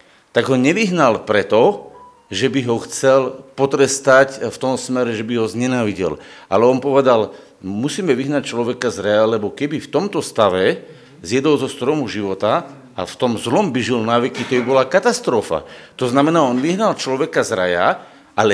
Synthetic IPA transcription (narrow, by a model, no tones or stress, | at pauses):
t̪aɡɦɔɲɛʋiɦnalpɾɛt̪ɔ | ʒɛbiɦɔxt͡sɛlpɔt̪ɾɛst̪acft̪ɔmsmɛɾɛʒɛbiɦɔzɲɛnaːʋiɟɛ̰l | ʔa̰lɛɔnpɔʋɛd̪al | musiːmɛʋiɦnac̚t͡ʃlɔʋɛkazɾajalɛbɔkɛbift̪ɔmt̪ɔst̪aʋɛ | zjɛd̪ɔzɔst̪ɾɔmuʒiʋɔt̪a | a̰ft̪ɔmzlɔmbiʒilnaʋɛkit̪ɔbibɔlakat̪ast̪ɾɔfa̰t̪ɔznamɛnaːɔnʋiɦnalt͡ʃlɔʋɛkazɾaja̰ | ʔalɛ